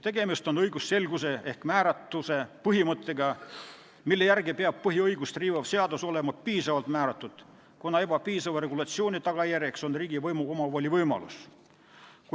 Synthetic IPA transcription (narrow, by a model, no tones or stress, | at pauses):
t̪e̞ɡe̞mist̪o̞nɤjɡusːe̞lɡuse̞ʔe̞hkmæːɾɑt̪ːˑuse̞pɤɦimɤt̪ʰːˑe̞ɡɑ | milːe̞jærɡipeɑb̥̚pɤɦiɤjɡ̥ust̪riːvɑvse̞ɑd̪uso̞le̞mɑpiːsɑvɑlt̪mæːɾɑt̪ːˑud̪̥ | konɑe̞b̥ɑpiːsɑvɑɾe̞ɡulɑt̪sio̞ːnʲit̪ɑɡ̥ɑjærjekso̞nriːɡivɤjmuo̞mɑvoːlʲivɤjmɑ̰lṵs | ku